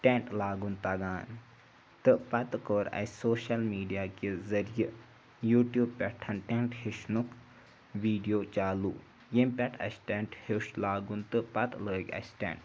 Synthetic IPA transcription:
ʈʲeɳʈlaːɡunt̪ɐɡaːn | t̪ɨpɐt̪koɾɐ̰soːʃɐlmiːɖijaːkezɐɾijə | juːʈjuːb̚pʲɛʈʰɐnʈeɳʈhiʃnuk | ʋiːɖijoːt͡ʃaːlṵː | jempʲɐʈʰɐ̰sʈɛɳʈhiʃlaːɡunt̪ɨpɐt̪ləːkɐ̰sʈɛ̰̃ɳʈ

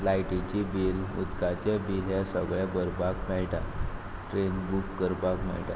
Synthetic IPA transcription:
lajʈit͡ɕibilmut̪kat͡ɕebilɦesəɡɭjabəɾbakmɛɭʈa | ʈɾenbukːəɾbakmɛ̰ɭʈa̰

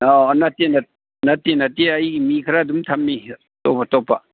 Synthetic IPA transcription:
onɐtenɐ | nɐtːenɐteɐjmikʰɾaːdumtʰɐmːi | to̰patopːa

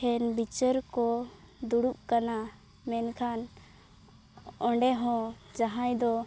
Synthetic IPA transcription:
ɛnbit͡ʃəɾkɔ | d̪uɽup̚kana | mɛnkʰan | ɔ̃ɳɖɛɦɔ̃ | d͡ʒaɦãjd̪ɔ

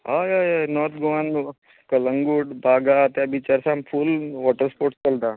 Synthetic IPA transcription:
ɦajajajnɔt̪̚ʰɡoan | kələŋɡuːʈbʱaɡat̪jabit͡ɕaɾsãmfʰuːlʋɔʈəɾspoɾʈskəlt̪a

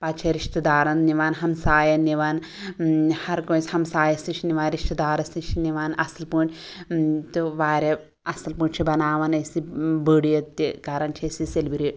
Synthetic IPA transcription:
paːt͡ʃʰiɾiʃt̪ɐd̪aːɾɐnniʋaːnɦɐmsaːjɐniʋaːn | hɐɾkõːnsʲhɐmsaːjɐst̪it͡ʃʰiniʋaːnɾiʃt̪ɐd̪aːɾɐst̪it͡ʃʰiniʋaːnɐsɐlpuːʈʲ | t̪uʋaːɾʲe | ɐsɐlpuːɳʲt͡ʃʰibɐnaːʋɐnɐsibəːɽijɐt̪ːikaːɾɐnt͡ʃʰiɐsiselbiɾi

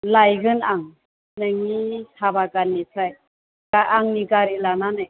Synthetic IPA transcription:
lajɡɯnaŋ | nɯŋitʰabakanisʰaj | ɡaʔaŋniɡaɾilananɯ

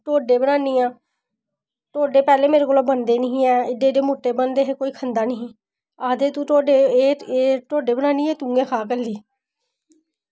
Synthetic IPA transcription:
ʈoːɖeːbənaːniːɛ̃ː | ʈoːɖeːpɛːleːmeːɾeːkoloːbənd̪eːnĩɦɛːɪdeːɖeːmoːʈːeːbənd̪eːɦeːkoːiːkʰənd̪aːniː | aːd̪eːt̪ũːʈoːɖeːeːeːʈoːɖeːbənãːniːeːt̪ʊ̃ːŋɡẽːkʰaːk̬əlːiː

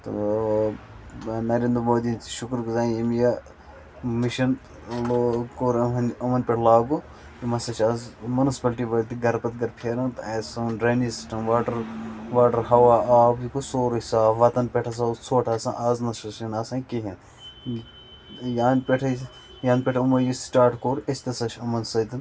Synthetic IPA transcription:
t̪ | nɐɾeːnd̪ɾmoːd̪int͡si̥ʃukɾkzaːɐmja | miʃɐn | lokoːɾnɐmɐnpʲeʈʰlaːɡo | jimɐsɐt͡ʃʰɐzmunispɐlʈiʋɐlt̪iɡɐɾpɐt̪̚ɡɐɾpʰeɾɐ̃nt̪ɐsɐnɖɾɐːnisi̥sʈɐmʋaːʈɐɾʋaːʈɐɾɦɐwaːaːbjikusoːɾuisaːʋɐt̪ɐnpʲeʈʰɐs̬at͡sʰoːʈʰasãʔaːznɐʃɐʃinɐsãːkeɦin | jaːnpʲeʈʰɐ | jaːnpʲeʈʰumɐjisʈaːʈkoːɾɐsʲt̪ɐsɐʃʰɐmɐnsɐd̪in

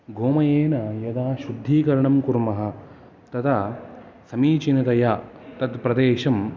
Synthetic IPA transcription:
ɡoːmɐjeːnɐjɐd̪aːʃud̪ʱːiːkɐɾɐɳɐmkuɾmɐɦɐ̆ | t̪ɐd̪ɐ | sɐmiːt͡ʃinɐt̪ɐjaːt̪ɐd̪pɾɐd̪eːʃɐm

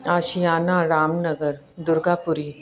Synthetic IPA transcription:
aːʃijaːnaɾaːmnɐɡəɾ | d̪ʊɾɡaːpʊɾiː

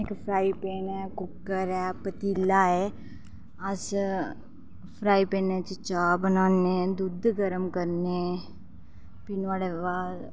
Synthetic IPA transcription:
ekpʰɾaːipeːnɛkʊkːəɾɛpət̪iːlaɦɛ | ɐs | pʰɾaːipeːnɛt͡ʃet͡ʃaːbənaːned̪ud̪ʱɡəɾəmkɐɾne | pinʋaɽeʋa

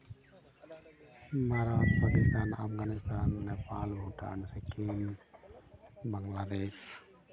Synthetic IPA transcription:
maɾaːt̪pakɪst̪aːnafɡaːnɪst̪aːnːepaːlbʱuʈa̰nsekeːm | bəŋlaːd̪eːs

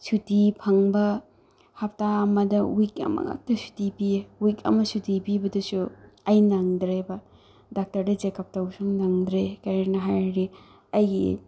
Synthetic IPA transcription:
sutipʰɐŋbɐ | hap̚taɐmɐdɐwikɐ̰mɐ̰ŋa̰k̚tɐsu̥tibiwikɐ̰mɐsutibibɐdɐsuɐjnaŋdɾeba | dak̚tɐɾdɐd͡ʒekʰap̚tawsuŋnaŋdɾekaɾenɐɦajɾi | ɐjɡḭ

